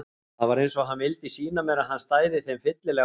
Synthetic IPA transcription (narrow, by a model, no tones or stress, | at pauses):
θaðvaɾejnsɔɦanvɪlt̪isiːnamɛːɾaɦanːst̪aːjðɪθejmfɪt̪lɪlɛ